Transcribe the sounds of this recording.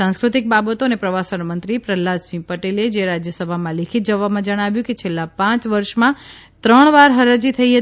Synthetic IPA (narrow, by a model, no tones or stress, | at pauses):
ãskɾʊt̪ik̚babət̪oənepɾəʋasəɳmənt̪ɾipɾəlːad͡ʒsʋĩpəʈeled͡ʒeɾad͡ʒjəsəbʱamãlekʰit̪̚d͡ʒəʋamãd͡ʒəɽ̃aʋjũket͡ʃʰelːapãt͡ʃʋəɾʃmã | t̪ɾəɳ̃ʋaɾɦəɾad͡ʒit̪ʰəiɦə